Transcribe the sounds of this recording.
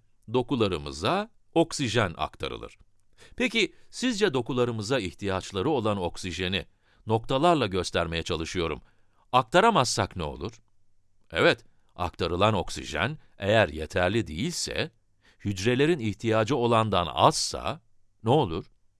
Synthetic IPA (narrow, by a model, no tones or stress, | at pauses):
d̪o̞kulˠaɾɯmɯ̰za | o̞ksiʒæna̰kt̪ʰa̰ɾɯ̰lˠɯ̰ɾ̥ | pʰecisizd͡ʒɛd̪o̞kulˠaɾɯmɯzaiht̪ʰijat͡ʃlˠaɾɯo̞lˠano̞ksiʒe̞ni | no̞k̚t̪ʰalˠaɾlˠaɟø̞st̪ʰæɾme̞jɛt͡ʃʰalˠɯʃɯjo̞ɾṵm | ak̚t̪ʰaɾamasːaknɛo̞̰lˠuɾ̥ | ɛvɛt̪ | a̰kt̪ʰaɾɯlˠano̞ksḭʒæ̰n | ḛjæɾjet̪ʰæɾlʲid̪ḛjilʲsɛ̰ | hyd͡ʒɾe̞lʲe̞ɾiniçt̪ʰijaːd͡ʒɯo̞lˠand̪ana̰z̥sa̰ | nɛo̞lˠuɾ̥